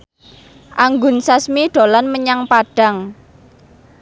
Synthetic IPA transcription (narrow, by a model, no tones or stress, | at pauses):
ʔaŋɡʊnsasmiɖ̪̥o̤lanməɲaŋpaɖ̥a̤ŋ